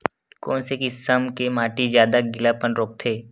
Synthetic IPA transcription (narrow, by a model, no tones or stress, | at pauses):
kɔːnsekɪsəmkemaːʈizjaːd̪aɡɪlapənɾoːk̚t̪ʰeː